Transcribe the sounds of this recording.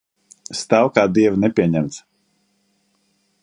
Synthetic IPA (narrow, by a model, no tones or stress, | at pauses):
st̪awkaːd̪iɛvnɛpʲiɛɲæmt̪s